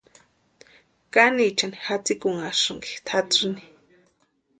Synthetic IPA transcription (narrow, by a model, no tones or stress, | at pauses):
kanit͡ʃanixat͡sikʊŋaʂɨŋki̥t̪ʰat͡sini̥